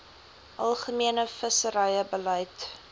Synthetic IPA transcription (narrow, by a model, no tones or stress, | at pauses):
ʔɐlˠχəmiənəfəsəɾəjəbəlɛjt